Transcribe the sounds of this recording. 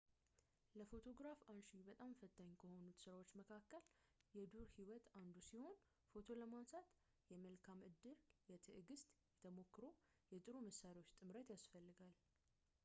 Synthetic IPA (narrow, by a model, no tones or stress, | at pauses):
ləfo̞t̪ʰo̞ɡɾafanʃibət̪ʼamfət̪ʰːaɲːkʰəho̞nut̪sɨɾawo̞t͡ʃːməkʰakːəljɛd̪uɾhiwɔt̪ʰand̪usiho̞n | fo̞t̪ʰo̞ləmansat̪ | jɛməlkʰamʔɨd̪ːɨɾjɛt̪ʰɨʔɨɡɨst̪ʼjɛt̪ʰəmo̞kːɨɾo̞ | jɛt̪ʼɨɾuməsːaɾiwot͡ʃːt̪ʼɨmɾət̪jasfəlːɨɡal